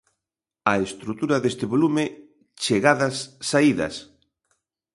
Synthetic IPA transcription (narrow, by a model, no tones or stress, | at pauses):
ɐest̪ɾut̪uɾɐðest̪ɪβolume | t͡ʃeɣaðɐsːaiðɐ̰s